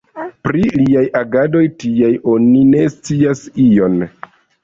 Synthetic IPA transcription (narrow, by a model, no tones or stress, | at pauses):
pɾiliajʔaɡado̞jtiajo̞nine̞st͡siasio̞n